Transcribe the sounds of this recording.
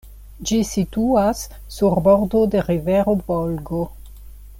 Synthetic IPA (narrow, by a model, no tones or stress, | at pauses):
d͡ʒisituasː | uɾboɾdodeɾiveɾovolɡo